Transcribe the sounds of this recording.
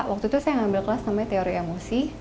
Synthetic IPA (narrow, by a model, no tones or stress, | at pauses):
ʔwak̚t̪ut̪usajaŋambɪlkəlasnamaɲat̪eoɾiemosi